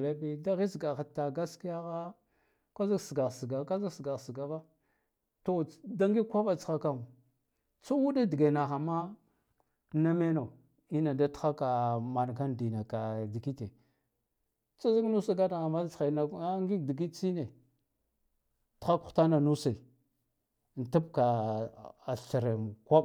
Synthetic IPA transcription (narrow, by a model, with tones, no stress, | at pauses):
la˦bi˦da˦ɣi˦sɡa˨xa˨ta˨ɡa˦ski˦ja˦ɣa˦ | kʷa˦za˦ɡsɡa˨ɣsi˨ɡa˨ka˦za˦ɡsɡa˨ɣsi˨ɡa˨ba˦ | to˦˨da˦ŋɡi˦kʷa˦ba˨t͡sxa˨ka˨u˨ | t͡su˦wu˦da˦di˨ɡe˨na˨xa˨ma˦ | na˦me˦no˨ | i˦na˨da˦txa˦ka˨ma˨n˨ɡa˦ndi˨na˨ka˨di˨ki˦te˨ | t͡sa˦za˦knu˦sa˦ɡa˦na˨ɣa˨ma˦t͡sxa˨na˨a˦ŋɡi˦di˨ɡ̬i˦t͡si˦ne˨ | ta˦kta˦na˨nu˦sa˨ | n˨ta˦b̚ka˨ | ɬɾe˨m˨kʷa˦b